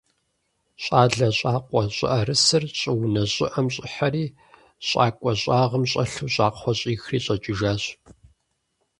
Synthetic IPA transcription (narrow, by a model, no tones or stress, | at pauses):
ɕʼaːɮɐɕʼaːqʷʼɔɕʼɪ̰ʔɐrɨsɨrɕʼɪwnɐɕʼɪʔɐmɕʼɪħaɾiː | ɕʼaːkʷʼɔɕʼaːʁəmɕʼɐɬuːɕʼaːqχʷɔɕʼiːxriːɕʼɐt͡ʃʼɪʒaːɕ